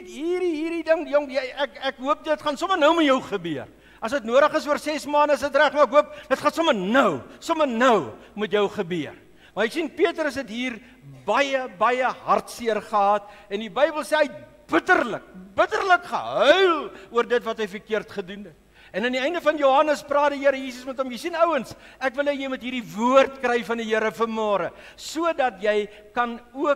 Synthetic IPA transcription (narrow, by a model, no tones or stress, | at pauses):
tɦiːɾiɦiːridəŋjɔŋjɛækækɦuəp̚dətχɐnsɔmənəwmutjəwχəbiər | ɐsətnuəɾəχəsuərsɛsmɑːndəəs̬ətræχmɐækɦuəp̚d̥ətχɑnsɔmənəwsɔmərnəwmutjəwχəbiər | mɐɛksinpiətɾəsɦɛtɦiːr | bɐjəbɐjəɦɐrtsiərχəɦɑːt̚ɛndibəjbəlˠsɛːəɥt̚ | b̥ətərlək̚bətərləkχə̰ɦœɥluərdətvɐtɦəjfərkiərtχədunɛt | ɛnɐndiɛjndəfɐnjoɦɐnəsprɑːdəijiəɾəjiːs̬əsmɛtɦɔmjəjsinəwənsækvəlˠɛjɛjmutɦiːrdivuərtkrɛjfɐndiɦəɾəfərmɑːɾə | suədɐtjɛj | kɐnuə